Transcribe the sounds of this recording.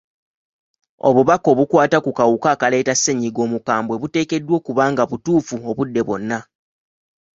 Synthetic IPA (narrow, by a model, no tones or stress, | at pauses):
o̞̰βuβako̞ːβukwaːtakukawukaːkale̞ːtasːe̞ɲːiɡo̞ːmukaːmbwe̞βute̞ːke̞dːwo̞ːkuβaːŋɡaβutuːfuoβudːe̞βwo̞nːa